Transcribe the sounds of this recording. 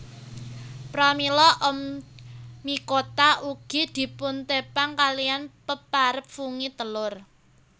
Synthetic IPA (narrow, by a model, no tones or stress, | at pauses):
pɾamilɔʔəm | mikot̪aʔuɡ̥id̪̥i̤pʊnt̪epaŋkalijanpəpaɾəp̚fuŋit̪əlʊr